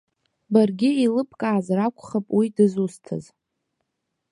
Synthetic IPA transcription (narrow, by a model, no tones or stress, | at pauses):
barɡʲɪilɨpʰʼkʼaːzrakʷʰʼχapʼwidɨzustʰɨ̰z